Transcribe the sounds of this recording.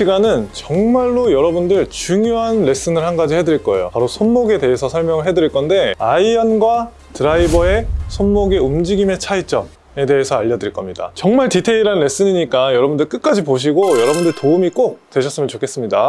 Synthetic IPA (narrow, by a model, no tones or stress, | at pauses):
ɕiɡanɯnt͡ɕʌŋmaɭːojʌɾʌbundɯɭt͡ɕuŋjoɦanːe̞s͈ɯnɯɭhanɡad͡ʑihe̞dɯɾiɭk͈ʌejo̰paɾosʰonmoɡe̞te̞e̞sʰʌsʰʌɭmjʌŋɯɭɦe̞dɯɾiɭk͈ʌnde̞aiʌnɡwa | tɯɾaibʌe̞sʰonmoɡeumd͡ʑiɡime̞t͡ɕʰait͡ɕ͈ʌm | e̞de̞esʰʌaʎːʌdɯɾiɭk͈ʌmɲida̰t͡ɕʌŋmaɭtitʰe̞iɾanːe̞s͈ɯɲiɲik͈ajʌɾʌbundɯɭk͈ɯk̚k͈ad͡ʑipoɕ̬ʰiɡojʌɾʌbundɯɭtoumik͈ok̚t͈we̞ɕʰʌs͈ɯmjʌnt͡ɕokʰe̞s͈ɯmɲida